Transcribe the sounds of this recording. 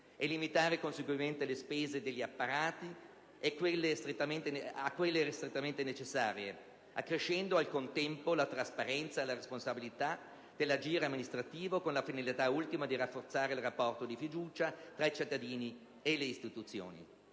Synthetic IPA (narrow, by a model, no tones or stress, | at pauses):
elimit̪aːɾekonseɡwiment̪elespeːzed̪eʎːiapːaɾaːt̪i | ekːwelːest̪ɾet̪ːament̪eneakːwelːest̪ɾet̪ːament̪enet͡ʃesːaːɾje | akːɾeʃːɛnd̪oalkont̪ɛmpolat̪ɾaspaɾɛnt̪saelaɾesponsabilit̪a | d̪̥elːad͡ʒiːɾeamːinist̪ɾat̪iːvokonlafinalit̪ault̪imad̪irafːort̪saːɾeilrapːɔrt̪od̪ifid̪uːt͡ʃat̪ɾait͡ʃit̪ːad̪iːni | eleist̪it̪ut̪sːjo̰ːnḭ